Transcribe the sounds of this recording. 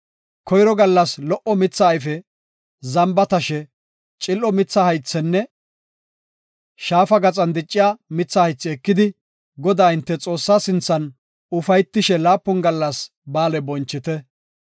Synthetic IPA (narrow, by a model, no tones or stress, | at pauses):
kʰɔjɾɔɡɐlːɐslɔʔɔmɪt͡sːɐːjfɛ | zɐmbɐt̪ɐʃɛ | t͡ʃʼɪlʔɔmɪt͡sːɐhɐjt͡sːɛnːɛ | ʃaːfɐɡɐt͡sʼɐnd̪ɪt͡ʃʼːɪjamɪt͡sːɐhɐjt͡sːɪɛkːɪd̪ɪ | ɡɔd̪aːɪnt̪ːɛt͡sʼo̞ːsːaːsɪnt͡sːɐn | ʊfɐjt̪ːɪʃɛlaːpːɔnɡɐlːɐs | baːlɛbɔnt͡ʃːɪt̪ɛ